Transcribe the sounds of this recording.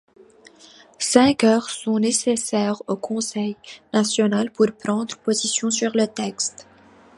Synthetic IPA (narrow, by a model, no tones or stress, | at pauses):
sɛ̃kœːʁsɔ̃nesesɛːʁokʰɔ̃sɛjnasjɔnalpuʁpχɑ̃d̪ʁpozisjɔ̃syʁlət̪ɛkst̪